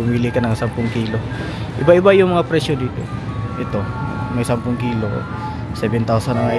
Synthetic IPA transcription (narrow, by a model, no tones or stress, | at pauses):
ʊmiːlɪkɐnɐŋsampʊŋkiːlo̞ | ʔɪbaʔɪbajʊŋmɐŋapɾɛʃjod̪iːt̪o̰ʔɪt̪o̞̰mɐjsampʊŋkiːlo̰ | sɛbɛnt̪awsɐnɐŋa